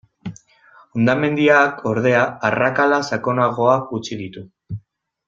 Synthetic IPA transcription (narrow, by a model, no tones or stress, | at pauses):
ond̪ame̞nd̪iakʰo̞ɾð̞e̞aːrakalasako̞naɣ̞o̞akut͡ʃiðit̪u